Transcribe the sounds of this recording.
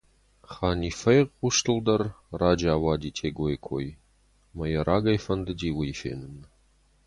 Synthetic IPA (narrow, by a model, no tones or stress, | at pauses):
χaːnifɐjʁuʂtʰɨld̪ɐrraːd͡ʒaːwaːdiːtʰeːɡojkʷʰo̰j | mɐjɐrʔaːɡɐjfɐnd̪ɨdiːwijfḛːnɨnɨ